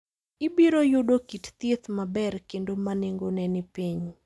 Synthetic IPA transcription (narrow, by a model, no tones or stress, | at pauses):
ɪbiɾojudokitt̪et̪mabɛrkendomaneŋɡonɛnɪpiɲ